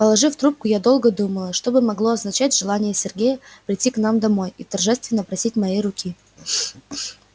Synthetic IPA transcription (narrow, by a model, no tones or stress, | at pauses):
pəlˠɐʐɨft̪ɾup̚kʊjad̪o̞lˠɡəd̪uməlˠəʂt̪o̞bɨmɐɡlˠo̞ɐznɐt͡ɕætʲʐɨlˠanʲɪjəsʲɪrɡʲejəpɾʲɪtʲːiknamd̪ɐmo̞jit̪ɐrʐɛst̪vʲɪnːəpɾɐsʲitʲmɐjejɾʊkʲʰi